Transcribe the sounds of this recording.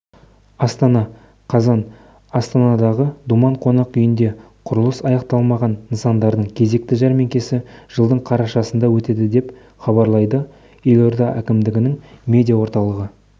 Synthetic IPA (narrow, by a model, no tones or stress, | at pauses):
ɑst̪ɑnɑ | qʰɑzɑn | ɑst̪ɑnɑd̪ɑʁəd̪umɑɴqʰo̞nɑqʏjɪnd̪e̞ | qʰʊɾəlˠəsɑjɑqt̪ɑlˠmɑʁɑnːənsɑnd̪ɑɾd̪əɴkʲʰe̞ze̞k̚t̪ɪʒæɾme̞ŋkʲe̞sɪʒ̥əlˠd̪əɴqʰɑɾɑʃɑsənd̪ɑwɵt̪e̞d̪ɪd̪e̞p | χɑbɑɾlˠɑjd̪ə | je̞lʲo̞ɾd̪ɑʔækʲɪmd̪ɪɡʲɪnɪŋmʲe̞d̪ʲijɑwo̞ɾt̪ɑlˠəʁə